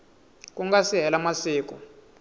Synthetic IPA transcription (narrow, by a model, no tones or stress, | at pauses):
k̬ʼuŋɡasiɦɛlamasiːk̬ʼɔ